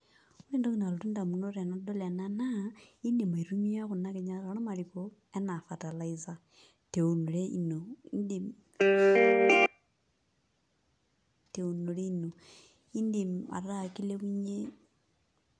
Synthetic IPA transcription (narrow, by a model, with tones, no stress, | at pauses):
u˦le˦ndo˦ki˦na˨lo˨ti˦nda˨mu˨no˦ɾa˨nɔ˨˦do˦la˨na˦na˦i˦ndi˨ma˨i˨ɾu˦mi˦a˦ku˨na˦ke˨ɲa˦ɾa˨ɾɔ˦ma˨ɾi˨ko˦ | ɛ˦na˨fa˨ta˨la˨i˦za˦ | te˨o˨no˨ɾe˦i˦no˨i˦ndi˨m | te˨o˨no˨ɾe˦i˦no˨ | i˦ndi˨ma̰˨ɾa˦˨ki˦le˦wi˦ɲe˦